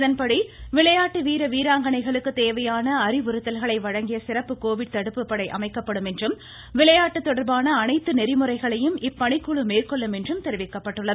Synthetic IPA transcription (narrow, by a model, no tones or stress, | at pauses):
ðɐnpɐɽiʋɪɭɐjaːʈːɯʋiːɾɐʋiːɾaːŋɡɐɳɐɪɣɐɭɯkːɯt̪eːʋɐjaːnɐːɾɪʋʊɾɯt̪ːɐlɣɐɭɐɪʋɐɻɐŋɡɪjɐsɪrɐpːɯkoːʋɪɖ̚t̪ɐɽɯpːɯpːɐɽɐɪʔɐ̰mɐɪkːɐpːɐɽɯmɛndrɯm | ʋɪɭɐjaːʈːɯt̪ːɔɽɐɾbaːnɐːnɐɪt̪ːɯnɛɾɪmɯrɐɪɣɐɭɐjɯmɪpːɐɳɪkːuɭɯmeːrkɔɭːɯmɛndrɯmt̪ɛɾɪʋɪkːɐpːɐʈːɯɭːɐ